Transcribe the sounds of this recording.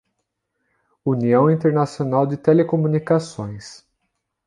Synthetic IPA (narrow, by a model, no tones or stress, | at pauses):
uniɐ̃w̃ĩnt̪eɾnasionawd͡ʒɪt̪elekomunikasõj̃s